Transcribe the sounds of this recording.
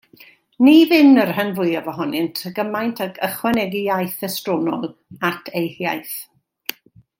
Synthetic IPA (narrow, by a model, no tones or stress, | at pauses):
nivɪnərhənvʊɨjavɔɦɔnɪntʰəɡəmajntʰaɡəχwɛnɛɡijajθəstrɔnɔlˠatʰejhjajθ